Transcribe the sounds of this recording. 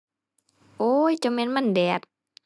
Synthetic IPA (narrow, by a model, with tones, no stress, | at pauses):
ʔojt͡ɕa˧mɛ˧nma˥˨ndɛ˨˩t̪̚